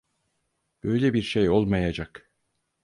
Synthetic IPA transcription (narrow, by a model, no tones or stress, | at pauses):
b̥ø̞jlʲebiɾʃejo̞lˠmajad͡ʒak